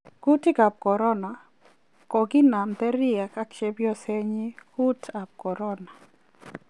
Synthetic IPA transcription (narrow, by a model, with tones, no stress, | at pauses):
ku˦tɪ˦ka˨p̚kɔ˨ɾɔ˦na˨ | kɔ˨ɡɪ˦na˨mt̪ɛ˦ɾɪ˦a˨ka˦kt͡ʃe˦bjɔ˦sɛ˦ɲi˦ku˦tʰa˨p̚kɔ˨ɾɔ˦na˨